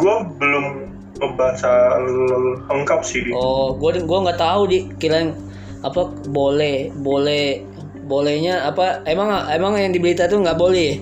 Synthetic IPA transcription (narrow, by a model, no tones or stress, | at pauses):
ɡuabəlʊm | bəbaɦat͡ʃalhəŋkap̚sidiɔɡuaɡuaŋɡaʔt̪aɦudikilaŋ | apabolɛhbolɛh | bolɛhɲaːpaemaŋaemaŋjaŋdibəɾit̪at̪uŋɡaʔbolɛh